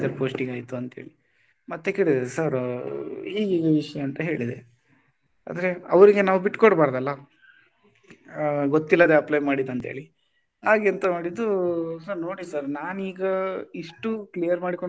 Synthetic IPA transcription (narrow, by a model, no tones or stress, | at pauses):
d̪ɐɾpoːsʈiŋɡaːjt̪uɐnt̪ɦeːɭi | mɐt̪ːekeːɭid̪sɐɾ | ɦiːɡiːɡɐʋiʂɐjɐːnt̪ɐɦe̞ːɭid̪e | a̰ːd̪ɾe̞ɐʋɾiɡe̞naːʋubiʈːkɔɽbaːɾd̪ɐlːɐ | ɡot̪ːilːɐd̪eɐplɐjmaːɽid̪ɐnt̪ɦḛːɭi | haːɡent̪ɐmoːɽid̪ːusɐɾnoːɽisɐɾnaːniːɡɐiʂʈuklijɐɾmaːɽiko